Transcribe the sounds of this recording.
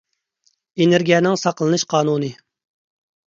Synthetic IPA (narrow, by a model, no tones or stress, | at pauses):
eneɾɡʲijɛnɪŋsɑqlˠɨnɨʃqʰɑːnuːnɨ